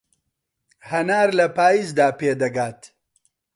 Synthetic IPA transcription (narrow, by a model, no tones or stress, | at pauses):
hɐnaːɾlɐpaːjiːzd̪aːpeːd̪ɐɡaːt̪